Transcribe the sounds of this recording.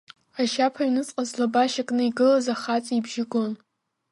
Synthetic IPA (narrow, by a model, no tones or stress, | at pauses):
aʃapʰainɨt͡sʼqʼazlabaʃakʼnɨiɡɨlazaχat͡sʼibʒɪɡon